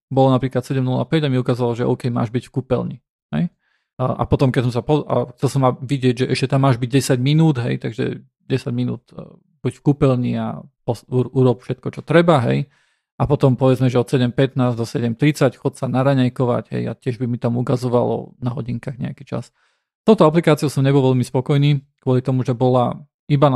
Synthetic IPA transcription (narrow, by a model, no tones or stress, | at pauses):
bɔlɔnapɾiːklat̪sɛɟɛmnula̰pɛɟamiukaːzɔʋalɔʒɛɔ̰ʊkɛjma̰ːʒbicfkupɛlɲi | ɦɛ̰j | ʔa̰pɔt̪ɔmkɛsɔmsapɔa̰xt͡sɛlsɔmaʋiɟɪɛɟʒɛʔɛʃcɛt̪amːaːʒbiɟ̚ɟɛsaɟminuːd̪ɦɛ̰jt̪aɡʒɛ̰ | ɟɛsaɟminṵːt̪ | b̥ucfkupɛlɲia̰pɔsuʔuɾɔpfʃɛt̪kɔt͡ʃɔt̪ɾɛbaɦɛ̰j | ʔapɔt̪ɔmpɔʋɛd͡zmɛʒɛɔt̪sɛɟɛmpɛt̪naːzd̪ɔsɛɟɛmt̪ɾit͡sacxɔt͡ssanaɾaɲɛjkɔʋa̰ɟɦɛ̰ja̰cɪɛʒbimit̪amukazɔʋalɔ̰naɦɔɟiŋkaɣɲɛ̰akit͡ʃa̰s | t̪ɔʊt̪ɔaplikaːt͡sioʊsɔmɲɛbɔlʋɛlmispɔkɔjniːkʊɔlit̪ɔmuʒɛbɔla | iba